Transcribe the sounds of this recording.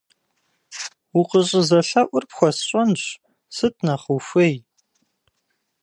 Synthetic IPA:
uqəɕʼɪzɐɬɐʔʷʊrpxʷɔsɕʼɐnɕ | sɨt̚ʰnɐχəfʷɐj

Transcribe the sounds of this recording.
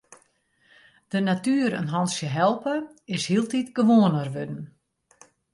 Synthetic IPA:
d̥ənatyːəɾə̰nɦɔnsjəɦɛlˠpəɪshiəlˠtitɡəʋoənərʋødn̩

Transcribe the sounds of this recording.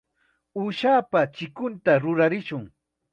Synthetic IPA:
uːʃaːpat͡ʃɪkʊnt̪aɾʊɾaɾɪʃʊŋ

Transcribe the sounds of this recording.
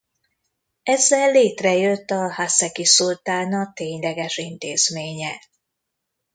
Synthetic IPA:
ɛzːɛlːeːt̪rɛjøt̪ːɒhasɛkisult̪aːnɒt̪eːɲlɛɡɛʃint̪eːz̥meːɲɛ

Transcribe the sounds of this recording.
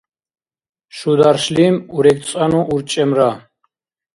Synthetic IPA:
ʃud̪aɾʃlimuɾɛk̪t͡sʼanuʔuɾt͡ʃʼɛmɾa

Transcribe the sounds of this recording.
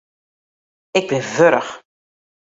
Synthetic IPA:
ɪɡ̚bɪnvøɾəx

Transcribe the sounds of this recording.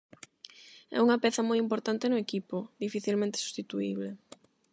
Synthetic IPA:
ɛ̰uŋɐpɛθɐmojimpoɾt̪ant̪enʊekipʊðifiθilmẽnt̪e̥su̥st̪it̪uḭβle

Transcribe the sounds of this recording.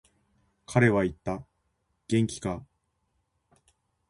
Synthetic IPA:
kʰaɾe̞βait̪ːa | ɡ̥ẽ̞ŋkʲi̥ka

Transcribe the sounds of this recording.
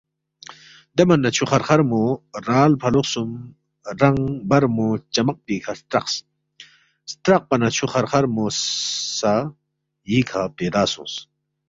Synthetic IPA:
d̪emɐnːɐt͡ɕʰuχɐɾχɐɾmuɾaːlpʰɐluqsum | ɾɐŋbɐɾmut͡ɕɐmɐq̚piːkʰɐst̪ɾɐqs | st̪ɾɐq̚pɐnɐt͡ɕʰuxɐɾχɐɾmossa | jiːkʰapeːd̪aːsṵ̃ːs

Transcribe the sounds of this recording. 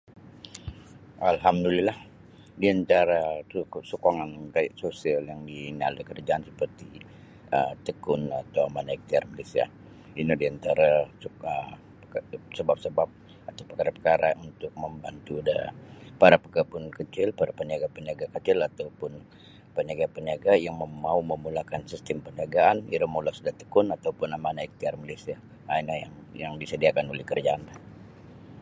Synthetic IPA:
ʔalɦamdulilah | diant̪aɾasukaŋankaiʔsosialjaŋdiŋa̰ldəkərd͡ʒaansə̥pərt̪i | ət̪əkʊnat̪awmanaik̚t̪iarmalesia̰ | inadiant̪aɾasə | səbap̚səbap̚ | at̪awpəkaɾapəkaɾaunt̪ʊk̚məmba̰nt̪uda̰paɾapəkəpʊnkət͡ʃɪlpaɾapəniaɡapəniaɡakət͡ʃɪlat̪awpʊn | pəniaɡapəniaɡajaŋməmauməmulakansist̪əmpəniaɡaaniɾamolasudaht̪ə̥kʊnat̪awpʊnamanaik̚t̪iarmalesia | ainahjaŋ | jaŋdisədiakanulɪhkərd͡ʒaanah

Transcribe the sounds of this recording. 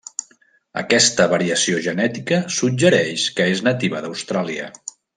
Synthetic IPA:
ə̰kɛst̪əβəɾiəsioʒənɛt̪ikəsud͡ʒəɾɛʃkəeznət̪iβəðəwst̪ɾaliə̰

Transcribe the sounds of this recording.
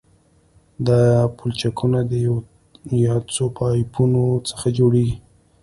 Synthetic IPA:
d̪ɑpult͡ʃakʰunad̪əj | jɑt͡sopɑjpʰunot͡sə̥xad͡ʒoɽeɡi

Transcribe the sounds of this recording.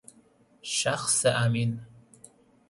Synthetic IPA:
ʃaxseʔamin

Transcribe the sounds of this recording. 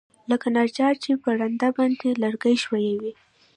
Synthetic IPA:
ləkanaɾd͡ʒɑɾt͡ʃepəɽand̪abɑnd̪elaɾɡajʃwajawi

